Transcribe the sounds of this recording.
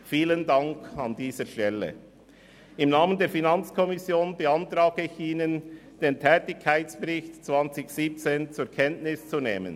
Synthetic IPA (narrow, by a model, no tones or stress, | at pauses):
fiːləndaŋkʰɑndiːzəʃtɛlə̰ | ɪmnaːməndeːɐɾfinant͡skʰɔmɪsjoːnbəantɾaːɡ̥əɪçiːnənd̥eːntʰɛːtɪçkʰːaɪtt͡sb̥əɾɪçtt͡sv̥ant͡sɪçsiːp̚t͡seːnt͡suːkʰɛntnɪst͡suneːmə̰n